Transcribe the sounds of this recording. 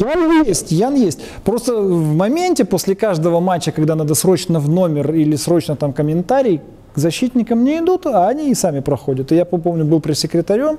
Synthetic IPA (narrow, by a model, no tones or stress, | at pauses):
janjesʲtʲjanjesʲtʲ | pɾo̞st̪əvmɐmʲenʲtʲɪposʲlʲɪkaʐd̪əvəmat͡ɕːəkɐɡd̪anəd̪ɐsɾo̞t͡ɕnəvno̞mʲɪrilʲɪsɾo̞t͡ɕnət̪amkəmʲɪnt̪aɾʲɪj | ɡzɐɕːit̪ʲnʲɪkəmnʲɪɪd̪ut̪ɐːnʲiɪsamʲɪpɾɐxo̞dʲət̪ɨjappo̞mnʲʊbɨlˠpɾʲɪsʲɪkɾʲɪt̪ɐɾʲo̞m